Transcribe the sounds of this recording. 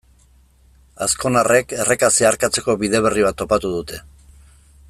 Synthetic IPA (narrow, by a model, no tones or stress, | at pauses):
asko̞nare̞ke̞re̞kasiaːɾkat͡se̞ko̞βiðe̞βe̞riβ̞at̪ːo̞pat̪uð̞ut̪e̞